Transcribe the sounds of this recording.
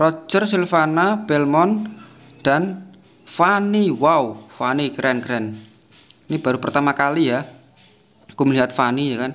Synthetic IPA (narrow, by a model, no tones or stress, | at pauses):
rɔ̥d͡ʒərsilfanab̥ɛlmɔn | d̪̥a̤n | faniwaufaniɡɾɛnɡɾɛn | inib̥a̤ɾupərt̪amakalija | kumliɦat̪fanijakan